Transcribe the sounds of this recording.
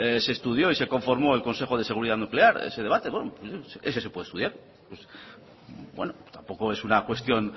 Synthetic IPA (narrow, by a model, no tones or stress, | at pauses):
se̞ːst̪uðjo̞ise̞ko̞ɱfo̞ɾmo̞e̞lko̞nse̞xo̞ð̞ese̞ɣ̞uɾiðaðnukleaɾḛseð̞e̞βat̪e̞βenopsseses̬epweest̪uðjaɾ | pes | bwḛnot̪ampo̞ko̞e̞sunakwe̞st̪jo̞n